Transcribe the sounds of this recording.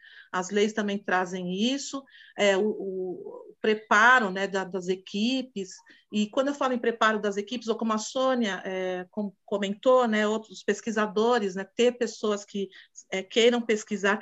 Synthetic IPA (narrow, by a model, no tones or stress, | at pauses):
ɐzlejst̪ɐ̃mbẽj̃t̪ɾazẽj̃isʊɛʊ | pɾepaɾʊnɛd̪ɐd̪ɐzekʰipɪs | ɪkwɐ̃nd̪ʊewfalmɪpɾepaɾʊd̪ɐzekipɪzokõmʊɐsõniɐʔɛkõmʊkõmẽnt̪onɛowt̪ɾʊspeskizad̪oɾɪsnɛt̪eɾpesoɐskɪɛkejɾɐ̃w̃peskizaɾ